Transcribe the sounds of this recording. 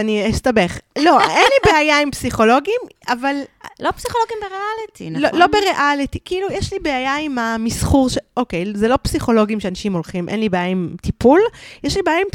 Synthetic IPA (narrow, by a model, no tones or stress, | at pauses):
aniist̪abeχlo̞enlibeajaimpsiχo̞lo̞ɡim | avallopsiχoloɡimbeʁealit̪ḭlolo̞beʁeʔalitikiilujɛʃlibeajaimamisχuʁʃeʔokejzelo̞psiχo̞lo̞ɡimʃeanaʃimo̞lχimʔḛnlibeajaimt̪ipuljɛʃlibeajaim